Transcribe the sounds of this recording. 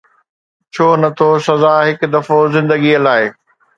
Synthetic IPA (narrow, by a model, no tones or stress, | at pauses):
t͡ɕʰoːnɐt̪ʰosɐzaːɦɪkd̪ɐfozɪ̃nd̪əɡiəlaːɪ